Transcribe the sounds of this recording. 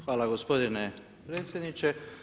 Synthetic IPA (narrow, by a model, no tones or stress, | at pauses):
xʋaːlaɡospod̪ine | pɾeːt̪sjed̪nit͡ʃe